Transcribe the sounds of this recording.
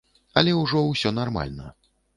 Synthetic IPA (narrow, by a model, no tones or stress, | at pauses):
ɐlʲɛuwʐɔwsʲɔnarma̰lʲnɐ